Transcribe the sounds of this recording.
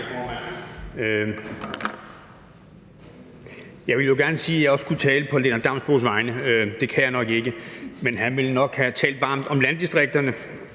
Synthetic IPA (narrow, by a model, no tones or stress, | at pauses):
fɒːmænø | jɑ̈ɪʋe̝ljo̝ɡ̥æɐnəsiːæjɑ̈ɪɒ̽skʰut͡sʰɛːləpʰɒ̽lenɐd̥ɑ̈msb̥osʋɑ̈ɪnəød̥e̝kʰæjaɪnɒ̽ɡ̥e̝ɡ̥əmenɦænʋe̝lnɒ̽ɡ̥hæt͡sʰɛ̰ːld̥ʋɑ̈ːmd̥ɒ̽mlænd̥isd̥ʁeɡ̥̚d̥ɐnə